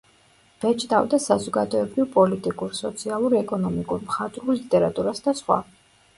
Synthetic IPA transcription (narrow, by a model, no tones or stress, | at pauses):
v̥ɛt͡ʃʼd̪ʼa̰vd̪asazɔɡad̪ɔɛbɾivpʼɔlit̪ʼikʼuɾsɔt̪sʰialˠuɾɛkʼɔnɔmikʼuɾmχat̪ʼɾulit̪ʼɛɾat̪ʼuɾasd̪asχwa̰